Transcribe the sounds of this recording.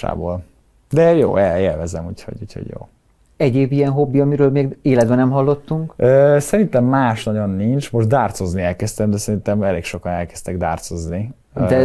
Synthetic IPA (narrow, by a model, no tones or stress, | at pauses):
a̰ːbo̰ːl | d̪ɛjo̰ːɛeːlvɛzɛmuːcho̰ɟṵːcho̰ɟjo̰ː | ɛɟeːbijɛnɦo̞bːiɒmiɾøːlmeːɡeːlɛd̪bɛnɛmɦɒlːo̞t̪ːuŋkøːsɛɾint̪ɛmːaːʃnɒɟo̞nːint͡ʃmo̞ʒd̪aːrt̪so̞zniɛlkɛst̪ɛmd̪ɛsɛɾint̪ɛmɛleːkʃo̞kɒnɛlkɛ̥st̪ɛɡd̪a̰ːrt̪so̞zni | d̪ɛ